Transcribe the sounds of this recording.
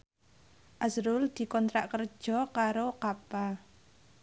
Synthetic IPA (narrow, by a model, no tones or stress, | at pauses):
ʔasɾʊld̪̥i̤kɔnt̪ɾaʔkər̥ʒ̥ɔ̤kaɾokapa